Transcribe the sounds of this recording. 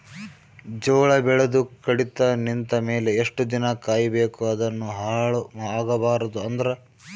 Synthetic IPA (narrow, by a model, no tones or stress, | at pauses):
d͡ʒɔːɭɐbɛɭed̪ukɐɽit̪ɐnint̪ɐme̞ːleːʂʈud̪inɐkaːjɐbeːkuɐd̪ɐnːuɦaɭaːɡɐbaːɾɐd̪uɐnd̪ɐɾɐ